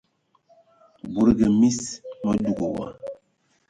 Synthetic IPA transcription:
bu˨ɾɡe˨mi˦smɔ˦du˨ɡo˨wa̰˦

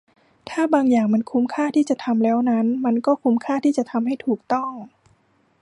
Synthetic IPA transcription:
t̪ʰaː˥˩baː˧ŋjaː˨˩ŋma˧nkʰu˦˥mkʰaː˥˩t̪ʰiː˥˩t͡ɕa˨˩t̪ʰa˧mlɛː˦˥wna˦˥nma˧nkɔː˥˩kʰu˦˥mkʰaː˥˩t̪ʰiː˥˩t͡ɕa˨˩t̪ʰa˧mha˥˩jt̪ʰuː˨˩k̚t̪ɔ˥˩ŋ

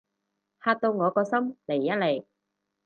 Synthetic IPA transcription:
haː˧t̚t̪o˧wŋɔː˨˧kɔː˧sɐ˥mle˨˩jːa˦˥le˨˩j

